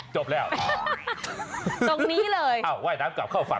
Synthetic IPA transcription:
t͡ɕo˨˩p̚lɛː˦˥˩w | t̪o˧ŋniː˦˥lɤː˧jʔa˧˩wwaː˥˩jnaː˦˥mka̰˨˩p̚kʰaː˥˩wfa̰˨˧˦

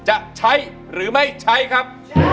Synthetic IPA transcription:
t͡ɕa˨˩k̚t͡ɕʰa˦˥j | ɾɯː˩˦ma˥˩jt͡ɕʰa˦˥jkʰa˦˥p̚

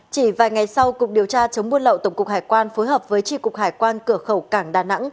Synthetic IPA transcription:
t͡ɕi˧˩vaː˨˩jŋa˨˩jsa˧wkʊ˨˩k͡p̚ɗi˨˩əwt͡ɕaː˧t͡ɕə˨˦wŋ͡mmu˧nlə̰˧˨wt̪ə˧˩ŋ͡mkʊ˨˩k͡p̚haː˧˩jkwaː˧nfoː˨˦jɦəː˨˩p̚vəː˨˦jt͡ɕi˧kʊ˨˩k͡pk̚haː˧˩jkwaː˧nkɨ˧˩əxə˧˩wkaː˧˩ŋɗaː˨˩na̰˧˥ŋ

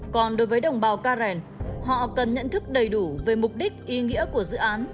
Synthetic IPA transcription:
kɔ˨˩nɗo˨˦jvəː˨˦jɗə˨˩wŋ͡mɓaː˨˩wkaː˧zɛ˨˩n | hɔ̰˧˨kə˨˩nɲə̰˧˨nt̪ʰɨ˦˥k̚ɗə˨˩jɗu˧˩ve˨˩mʊ˨˩k͡p̚ɗï˦˥k̚ʔi˨˧ŋḭ˧˥əku˧˩əzɨ̰˧˨ʔaː˨˦n

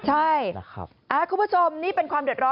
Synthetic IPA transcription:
t͡ɕʰa˥˩jkʰa̰˦ | ʔa˧˩kʰuː˧˥˩mpʰːu˥t͡ɕʰo˧mniː˦˥˩pe˧nkwaː˧mdu˨˩ət̪̚ɾɔ˦˥

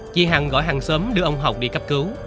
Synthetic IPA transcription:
t͡ɕi˧ɦaː˨˩ŋɣɔ̰˧˩˦jɦaː˨˩ŋsəː˨˦mɗɨ˧ʔə˧wŋ͡mɦa˨˩wk͡p̚ɗḭ˧˩ka˦˥p̚kɨ˨˦w

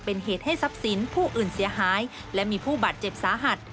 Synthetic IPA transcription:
pe˧nɦeː˨˩t̪̚ha˥˩jsa˦˥p̚si˩˦npʰuː˥˩ʔɯː˨˩nsi˩˦ɐɦaː˩˦j | lɛ˦˥miː˧pʰuː˥˩baː˨˩t̪̚t͡ɕe˨˩p̚saː˨˦ɦa˨˩t̪̚

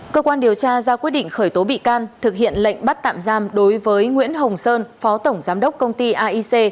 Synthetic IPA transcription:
kəː˧kwaː˧nɗi˨˩əwt͡ɕaː˧zaː˧kwi˦˥əɗḭ˧˨ŋ̟xəː˧˩jt̪o˨˦ɓḭ˧˨kaː˧nt̪ʰɨ˨˩k̚hḭ˧˨ənlə̰˧˨jŋ̟ɓa˦˥t̚t̪a̰ː˧˨mzaː˧mɗo˨˦jvəː˨˦jŋwḭ˧˥ənɦə˨˩wŋ͡msəː˧nfɔ˨˦t̪ə˧˩wŋ͡mzaː˨˦mɗə˦˥wk͡p̚kːə˧wŋ͡mt̪i˧ʔaː˧ʔi˧se˧

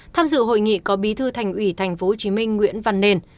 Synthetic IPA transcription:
t̪ʰaː˧mzɨ̰˧˨ɦo̰˧˨jŋḭ˧˨kɔ˨˦ɓi˨˦t̪ʰɨ˧t̪ʰa˨˩jŋ̟ʔwi˧˩t̪ʰa˨˩jŋ̟fo˨˦ho˨˩t͡ɕi˨˦mï˧ŋ̟ŋwḭ˧˥ənva̰˧˨nːe˧n

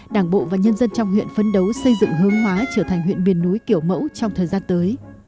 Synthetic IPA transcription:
ɗaː˧˩ŋɓo̰˧˨vaː˨˩ɲə˧nzə˧nt͡ɕɔ˧wŋ͡mhwḭ˧˨ənfə˧nɗə˨˦wsə˧jzɨ̰˧˨ŋɦɨ˨˦əŋɦwaː˨˦t͡ɕəː˧˩t̪ʰɛ˨˩jŋ̟ɦwḭ˧˨nmi˨˩ənːu˨˦jki˧˩əwmə̰˧˥wt͡ɕɔ˧wŋ͡mt̪ʰəː˨˩jzaː˧nt̪əː˨˦j

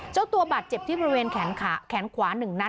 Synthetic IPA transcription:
t͡ɕa˥˩t̪u˧ɐbaː˨˩t̪̚t͡ɕe˨˩p̚t̪iː˥˩bɔ˧ɾi˦˥weː˧nkʰɛː˩˦nkʰːkʰɛː˩˦nkʰwaː˩˦nɯ˨˩ŋna˥˩

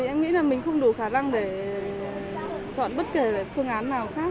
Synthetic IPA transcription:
i˨˩ʔɛ˧mŋḭ˧˥laː˨˩mï˨˩ŋ̟xə˧wŋ͡mɗu˧˩xaː˧˩na˧ŋɗe˧˩ | t͡ɕɔ̰˧˨nɓə˦˥t̚ke˧˩ve˧˩fɨ˧əŋʔaː˨˦nːaː˨˩wxaː˦˥k̚

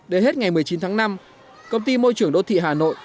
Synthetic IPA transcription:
ɗe˨˦he˦˥t̚ŋa˨˩jmɨ˨˩əjt͡ɕi˨˦nt̪ʰaː˨˦na˧m | kə˧wŋ͡mt̪i˧mo˧jt͡ɕɨ˧˩əŋɗo̰˧˨t̪ʰḭ˧˨ɦaː˨˩no̰˧˨j

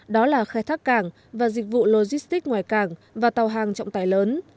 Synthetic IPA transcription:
ɗɔ˨˦laː˨˩xaː˧˦jt̪ʰaː˦˥kːaː˧˩ŋ | vaː˨˩zï˨˩k̟̚vṵ˧˨lo˧zi˦˥st̪i˦˥k̚ŋwaː˧˨jkaː˧˩ŋvaː˨˩t̪a˨˩wɦaː˨˩ŋt͡ɕɔ̰˧˨wŋ͡mt̪aː˧˩jləː˨˦n

